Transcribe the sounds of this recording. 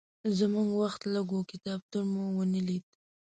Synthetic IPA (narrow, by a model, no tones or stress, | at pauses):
zəmuŋɡwaxt̪laɡokɪt̪ɑb̚t̪uɾmowənilid̪